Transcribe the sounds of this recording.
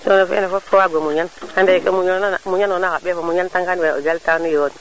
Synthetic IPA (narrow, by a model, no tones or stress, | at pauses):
sonafḭnafokowaɡomuɲankandaka̰muɲonamuɲanonakaɓafamuɲantaŋkanwɛna̰od͡ʒaltanujoon